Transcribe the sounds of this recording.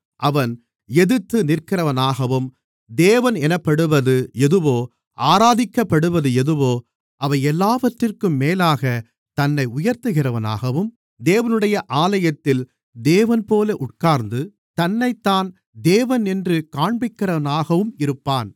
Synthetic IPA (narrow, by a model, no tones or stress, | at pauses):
ʔɐʋɐn | ɛðɯt̪ːɯnɪrkɪrɐʋɐnaːɣɐʋɯm | d̪eːʋɐnɛnɐpːɐɽɯʋɐðɯɛðɯʋoː | ʔaːɾaːðɪkːɐpːɐɽɯʋɐðɯɛðɯʋoː | ʔɐʋɐɪɛlːaːʋɐʈrɪrkɯmːeːlaːɣɐ | t̪ɐnːɐɪʊjɐɾt̪ɯɣɪrɐʋɐna̰ːɣɐʋɯm | d̪eːʋɐnɯɽɐjɐʔaːlɐjɐt̪ːɪl | d̪eːʋɐnpoːlɐʔʊʈ̚kaːɾnd̪ɯ | t̪ɐnːɐɪt̪ːaːn | d̪eːʋɐnɪndrɯkaːɳbɪkːɪrɐʋɐnaːɣɐʋɯmɪɾɯpːaːn